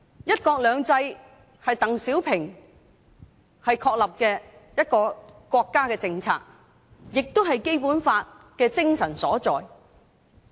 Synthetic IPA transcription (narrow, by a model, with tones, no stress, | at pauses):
jɐ˥t̚kɔː˧k̚lœː˨˧ŋt͡sɐ˧j | hɐ˨jt̪ɐ˨ŋsiː˨˥wpʰɪ˨˩ŋ | hɐ˨jkʰɔː˧k̚lɐ˨p̚kɛː˧jɐ˥t̚kɔː˧kʷɔː˧kːaː˥kɛː˧t͡sɪ˧ŋt͡sʰa̰ː˧k̚ | jɪ˨k̚t̪o˥wɦɐ˨jke˥jpuː˨˥nfaː˧t̚ | kɛː˧t͡sɪ˥ŋsɐ˨˩nsɔː˨˥t͡sɔː˨j